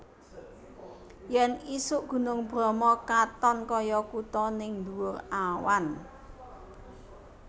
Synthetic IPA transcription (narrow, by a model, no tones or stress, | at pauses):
jɛnisʊʔɡ̥ṳnʊŋb̥ɾɔ̤mɔkat̪ɔnkɔjɔkut̪ɔnɪŋd̪uwʊrawa̰n